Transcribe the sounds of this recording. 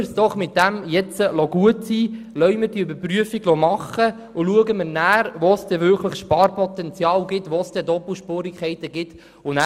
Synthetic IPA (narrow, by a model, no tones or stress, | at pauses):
sd̥ɔχmɪt̚d̥̪æmjɛt͡səlɔɡuətsiː | lœʏməɾd̥iəøbəɾpryəfiɡlɔmɑχə | ʊluəɡəməɾnæːɾʋosd̥ɛvʏɾkʰləχʃpɑːɾpɔt̪ɛnt͡sjɑːlɡɪtʋosd̪̥ɛd̪ɔpl̩ʃpoːɾikʰχɛɪt̪əɡ̥ɪt | ʊnæ